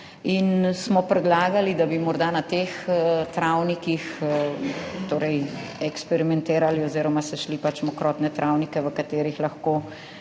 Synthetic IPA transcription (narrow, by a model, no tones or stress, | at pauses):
insmɔpɾɛd̪laːɡalid̪abimɔɾd̪anat̪ext̪ɾawnikix | t̪oːɾɛjɛkspɛɾimɛnt̪eːɾaliɔziːɾɔmasɛʃlipat͡ʃmɔkɾɔːt̪nɛt̪ɾʔawnikɛʋəkat̪eːɾixlɐxkoː